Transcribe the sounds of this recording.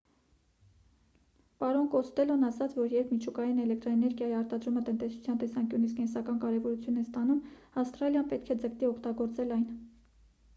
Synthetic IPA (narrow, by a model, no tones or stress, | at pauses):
pɑɾɔnkɔst̪ɛlɔnɑsɑt͡sʰvɔɾjɛɾpʰmit͡ʃʰukɑjinɛlɛk̚ʰt̪ɾɔɛnɛɾɡʲjɑjiɑɾt̪ɑd̪ɾumət̪ənt̪ɛsu̥t͡sʰjɑnt̪ɛsɑŋkjunit͡sʰkɛnsɑkɑnkɑɾɛvɔɾut͡sʰjunɛst̪ɑnum | ɑfst̪ɾɑljɑnpɛt̪kʰɛd͡zəkt̪iɔkʰt̪ɑɡɔɾt͡sɛlɑjn